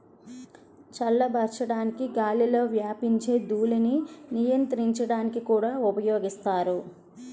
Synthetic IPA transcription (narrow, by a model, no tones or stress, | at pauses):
t͡ʃɐlːɐbʱɐɾt͡ʃɐɽaːnikiɡaːlilo̞ːʋjaːpiɲt͡ʃe̞ːd̪uːlɐninijɐnt̪ɐɾiɲt͡ʃɐɽaːnikikuːɽaːupɐjoːɡist̪aːɾu